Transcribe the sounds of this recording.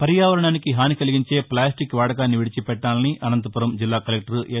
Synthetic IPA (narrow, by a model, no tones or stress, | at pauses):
pɐɾijaːʋɐɾɐɳaːnikiɦaːnikɐliɡiɲt͡ʃe̞ːplaːsʈikʋaːɽɐk̬aːnːiʋiɽit͡ʃipɛʈːaːlɐniʔʔɐnɐnt̪ɐpuɾɐmd͡ʒilːaːkɐlek̚ʈɐɾʔ